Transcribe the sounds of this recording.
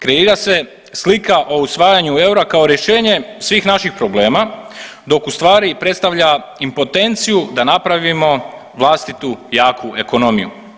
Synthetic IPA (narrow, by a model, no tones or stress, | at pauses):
kɾe̞iːɾase̞ | slikaʔo̞usʋaːjaɲue̞uɾakao̞ɾje̞ʃe̞ːɲe̞sʋiːxnaʃixpɾo̞ble̞ːmad̪o̞kust̪ʋaːɾipɾet̪st̪aʋʎa | impo̞t̪e̞nt̪sijud̪anapɾaʋimo̞ | ʋlˠast̪it̪ujaːkʰue̞kono̞mijṵ